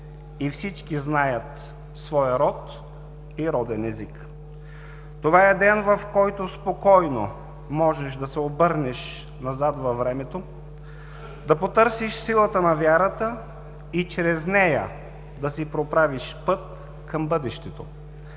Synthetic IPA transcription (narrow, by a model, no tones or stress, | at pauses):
ifsit͡ʃkiznajət̪ | svɔjəɾɔt̪ | iɾɔd̪ɛnɛzik | t̪ovaɛd̪ɛnvɐfkɔjt̪ospokɔjno̰ | mɔʒɛʃd̪ɐsɛobɤɾnɛʃ | nɐzat̪vɐvɾɛmɛt̪o | d̪ɐpot̪ɤɾsiʃsilˠət̪ənɐvʲjaɾət̪ə | it͡ʃɾɛznɛjə̰ | d̪ɐsipɾopɾaviʃpɤt̪̚ | kɐmbɤd̪ɛʃt̪ɛt̪o